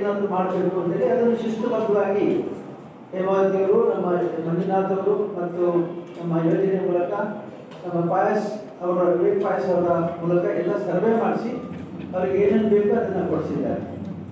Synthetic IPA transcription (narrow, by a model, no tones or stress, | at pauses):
nɐnd̪umaːɽɐbe̞ːkuɐnt̪eːleɐd̪ɐnːuʃuʂʈɐlɐɡɐd̪aːɡi | emaːd̪t̪ɐɡɐɾunɐmːɐnʱɐninaːt̪ɐʋɐɾumɐt̪ːunɐmːɐjoːd͡ʒɐnejɐmuːlɐkɐ | nɐmːɐpaːjɐs | ɐʋɐɾɐɡɾeːʈ̚paːjɐsɐʋɐɾɐmuːlɐkɐɛlːɐsɐɾʋeːmaːɽisi | ɐʋɐɾiɡeeːnɐnːubeːkuɐd̪ɐnːɐkoɽisid̪ːa̰ːɾe